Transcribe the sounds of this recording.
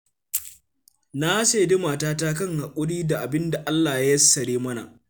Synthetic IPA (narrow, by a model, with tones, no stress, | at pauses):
na˦seː˨de˦maː˨taː˦ta˦kɐ˦ŋha˨kʷʼʊ˦ɽiː˦da˨ʔa˨bɪ˦nda˨ʔa˦lːaː˨ja˦jɐ˦sːɐ˨ɽeː˦mɐ˦na̰˨ʔ